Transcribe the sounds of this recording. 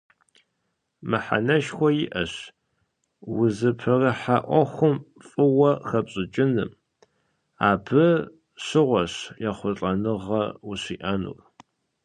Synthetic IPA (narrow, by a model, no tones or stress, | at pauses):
mɨħa̰nɐʃxʷɔjɪʔɐɕ | wʊzɨpʰɐrɐħaʔʷɔxʷʊmfʼɨwɐxɐpɕʼɪt͡ʃʼɪnɨm | aːbʰɨ | ɕɨʁʷɔɕjaχʷʊɬʼɐnɨʁɐwʊɕiːʔɐnṵːr